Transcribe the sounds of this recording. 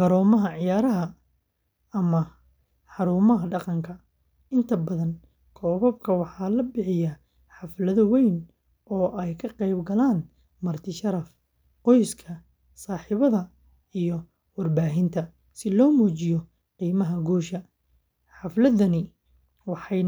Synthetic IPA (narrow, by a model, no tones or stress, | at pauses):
ɡɐɾɔːmɐɦɐʕɪjaːɾɐɦɐ | ɐmɐ | ħɑɾuːmɐɦɐɖɑqɑŋkʰɐ | ɪnt̪ʰɐbɐðɐn | kʰɔːβɐb̚kʰɐwɑħɑːlɐbɪħɪjɐ | ħɑflɐðɐwɛjn | ɔːʔɛjkʰɐqɛjbɡɐlaːn | mɐrt̪ʰɪʃɐɾɐf | qɔjskʰɐ | saːħɪβɐðɐ | ijɔ | wɑrbaːɦɪnt̪ʰɐ | sɪlɔːmuːt͡ʃɪjɔ | qiːmɐɦɐɡuːʃɐ | ħɑflɐðɐnɪ | wɑħɑj